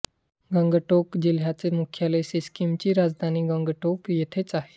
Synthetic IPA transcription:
ɡə̃ŋɡʈokd͡ʑilɦjat͡semukʰjaleseskimt͡ɕiːɾad͡zd̪ʱaniːɡəŋɡəʈokjet̪ʰet͡saɦe̥

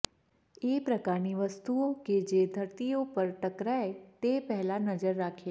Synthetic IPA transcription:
eːpɾɐkaːɾniʋɐst̪uõked͡ʒeːd̪ʱɐɾt̪ijõpɐɾʈɐkɾaet̪eːpɛɦlanɐd͡ʒəɾːaːkʰeː

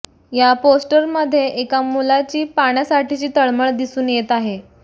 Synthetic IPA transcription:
japosʈəɾməd̪ʱːjeʔekamulat͡ɕiːpaɽ̃jasaʈʰiːt͡ɕiːt̪əɭməɭd̪isuːnjet̪aɦe

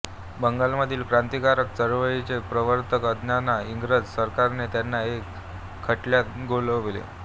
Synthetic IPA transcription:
bəŋɡalməd̪ʱiːlkɾant̪ikaɾək̚t͡səɾʋəit͡sepɾəʋəɾt̪əkəd̪ʱnjanaiŋɡɾəd͡zsəɾkaɾnet̪janːaekʰː | əʈljat̪ɡoləʋʋlḛ

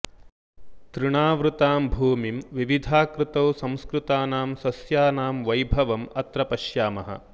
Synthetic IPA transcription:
t̪ɾɪɳaːʋɾut̪aːmbʱuːmimʋiʋid̪ʱaːkɾɪt̪ɐwsɐ̃mskɾut̪aːnaːmsɐsjaːnaːmʋɐjbʱɐʋɐmɐt̪ɾɐpɐʃjaːmɐɦɐ̰

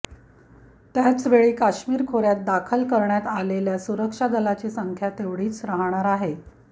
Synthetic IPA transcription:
t̪jat͡sʋeɭiːkaɕmiːɾkʰoɾjat̪̚d̪akʰəlkəɾɳjat̪aleljasuɾəkʂad̪əlat͡ɕiːsəŋkʰjat̪eʋɽiːt͡sɾaɦɳ̃aɾaɦe

